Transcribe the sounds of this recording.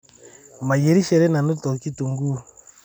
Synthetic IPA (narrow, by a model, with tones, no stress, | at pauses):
ma˨jɛ˨ɾi˦ʃɛ˨ɾɛ˦na˨nu˦tɔ˨ki˦tu˨ŋɡu˦